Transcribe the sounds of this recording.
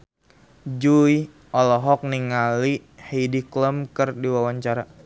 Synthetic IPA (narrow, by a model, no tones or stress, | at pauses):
d͡ʒuj | ɔlɔɦɔk̚niŋaliheidikləmkərdiwawaɲt͡ʃaɾa